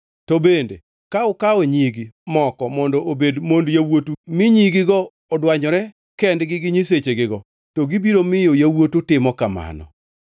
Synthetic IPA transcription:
tɔbendḛ | kaʊkaɔɲiɡimɔkɔmɔndɔʔobedmondjawotumɪɲiɡɪɡɔː | dwaɲɔɾɛ | kɛndɡɪɡɪɲiset͡ʃeɡɪɡɔ | toɡibiɾomɪjojawotutɪmɔkama̰nɔ̰

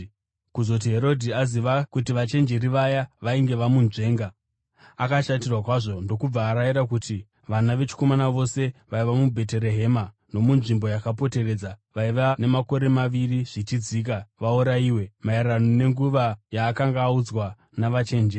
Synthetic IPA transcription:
kuzo̞t̬iɦe̞ɾo̞dʱiaziʋakutiʋat͡ʃe̞nd͡ʒe̞ɾiʋajaʋaiŋɡe̞ʋamunʐe̞ːŋɡa | akaʃatirwakwaʐo̞ndo̞kub͡vaːɾajiɾakuti | ʋanaʋe̞t͡ʃi̥ko̞manaʋo̞se̞ʋaiʋamubʱe̞t̬e̞ɾe̞ɦe̞ma | no̞munʐimbo̞jakapo̞te̞re̞d͡zaʋaiʋane̞mako̞ɾe̞maʋiriʐ̥it͡ʃid͡ziːk̬aʋauɾaiːwe̞majaranone̞ŋɡuʋajaːkaŋɡaːud͡zwa | naʋat͡ʃe̞ːnd͡ʒe

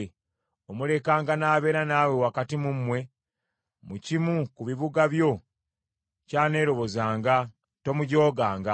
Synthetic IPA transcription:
e | omule̞kaːŋɡanaːβe̞ːɾanaːwe̞wakatimumːwe̞ | mucimukuβiβuɡaβjo̞ | caːne̞ːɾo̞βo̞zaːŋɡa | to̞muɟo̞ːɡaːŋɡa

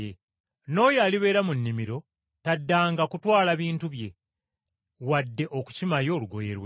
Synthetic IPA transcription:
e | no̞ːjaːliβe̞ːɾamunːimiɾo̞ | tadːaːŋɡakutwaːlaβiːntuβje̞ | wadːe̞ʔoku̥cimajo̞ːluɡo̞je̞ɾwe

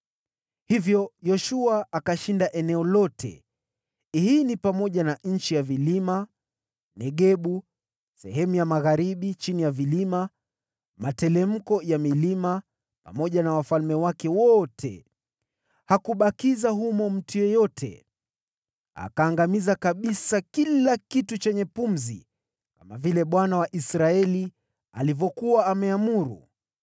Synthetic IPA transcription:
hivjɔjɔʃuaakaʃindaʔɛnɛɔlɔtʰɛ̰ | hiːnipamɔʄanaɲ̩t͡ʃijavilima | nɛɠɛɓu | sɛɦɛmujamaɣaɾiɓit͡ʃinijavilima | matɛlɛm̩kɔjamilima | pa̰mɔʄanawafalmɛwakɛwɔtʰɛ̰ | hakuɓakizaɦumɔm̩tujɔjɔtʰɛ̰ | a̰kaːŋɡamizakaɓisakilakitut͡ʃɛɲɛpum̩zḭ | kamavilɛɓwanawaʔisɾaɛli | a̰livɔkuwaːmɛamuɾṵ

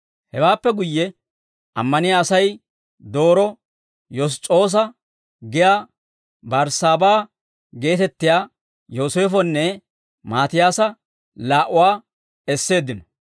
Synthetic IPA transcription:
hɛwaːpːɛɡʊjːɛ | ʔɐ̰mːɐnɪjaːsɐj | d̪o̞ːɾɔ | jɔs̬t͡ʃʼo̞ːs̬ɐ | ɡɪjaː | bɐɾsaːbaː | ɡe̞ːt̪ɛt̪ːɪjaː | joːseːfɔnːɛ | maːt̪ɪjaːsɐ | laːʔʊwaː | ɛsːe̞ːd̪ːɪnɔ

